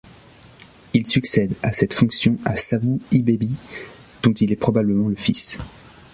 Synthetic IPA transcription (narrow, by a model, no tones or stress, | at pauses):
ilsyksɛd̪asɛt̪fɔ̃ksjɔ̃asavuibebi | d̪̥ɔ̃t̪ilɛpχɔbabləmɑ̃ləfis